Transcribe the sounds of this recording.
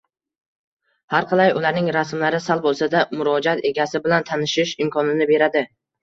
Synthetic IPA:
haɾqʰɑlˠajʊlaɾnɪŋɾasmlaɾɪsalˠbolˠsad̪amʊɾɒd͡ʒat̪e̞ɡʲasɪbɪlant̪ʰanɪʃɪʃɪmkʰɒnɪnɪbe̞ɾad̪ɪ

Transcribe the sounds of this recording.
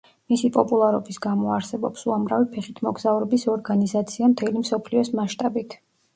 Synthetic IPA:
misipʼɔpʼulˠaɾɔbisɡamɔaɾsɛbɔ̰psuamɾavipʰɛχit̪ʰmɔɡzauɾɔbisɔɾɡanizat̪sʰiamt̪ʰɛlimsɔpʰliɔsmaʃt̪ʼabit̪ʰ

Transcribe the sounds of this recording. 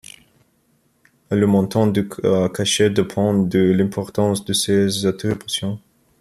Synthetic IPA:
ləmɔ̃t̪ɑ̃d̪əkʰaʃed̪epʰɑ̃d̪əlɛ̃pʰɔʁt̪ɑ̃sd̪əsezat̪ipasjɔ̃

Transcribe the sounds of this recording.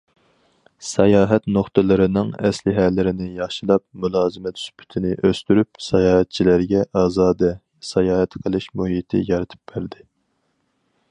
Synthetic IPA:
sɛjɑːɦɛt̪noχt̪ɨlˠɨɾɨnɨŋɛ̰slɪɦɛlːɪɾɪnɪjɑχʃilˠɑp̚mulˠɑːzɨmɛt̪y̥spʰy̥t̪ʰɪnɪʔøst̪yɾyp̚sɛjɑːhɛt̪̚t͡ʃʰilæɾɡʲɛʔɑːzɑːd̪ɛ | sɛjɑːhɛt̪qʰəlˠɨʃmuɦit̪ʰɪ̰jɑɾɨt̪ʰɨ̥p̚b̥æɾd̪ɪ

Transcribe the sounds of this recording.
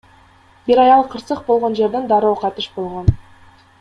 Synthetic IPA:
biɾɑjɑlˠqʰɯɾsɯq̚bo̞lˠʁo̞nd͡ʒe̞ɾd̪end̪ɑɾoːqʰɑt̪ɯʃbo̞lˠʁo̞n

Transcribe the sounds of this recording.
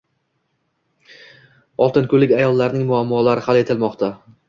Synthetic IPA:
ɒlˠt̪ʰɪnkʰʊlɪkʲajɒlˠːaɾnɪŋmʊamːɒlaɾɪhalˠe̞t̪ʰɪlmɒqt̪ʰa

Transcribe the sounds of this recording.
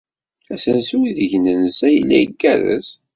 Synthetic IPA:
æsənsuwiðəʝnənəsæjəlːæjəɡːæðə̰s

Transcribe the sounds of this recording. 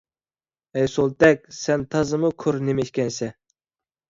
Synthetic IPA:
ɛjsolˠt̪ɛk̚ʲsɛnt̪ʰɑzɨmukʰoɾnemɛit̪ʲkʲɛnsɛ

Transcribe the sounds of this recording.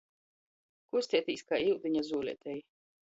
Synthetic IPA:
kust̪ʲiɛt̪ʲiːskaːiwd̪iɲazuːlʲɛ̰t̪ʲɛj

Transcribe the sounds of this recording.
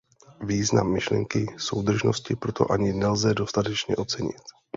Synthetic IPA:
viːzna̰mːɪʃlɛ̰ŋkɪso̞wd̪r̩ʒno̞scɪpɾo̞t̪ʰo̞̰ʔaɲɪnɛlzɛdo̞st̪at̪ɛt͡ʃɲɛ̰ʔo̞t͡sɛɲɪ̰t̪

